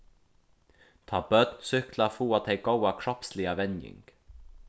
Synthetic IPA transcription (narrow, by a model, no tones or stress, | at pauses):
t̪ʰɑːbœd̪nsʏklafuːɑt̪ɛɪɡ̥owakʰɹɔpslɪaʋɛnjɪ̰ŋɡ̥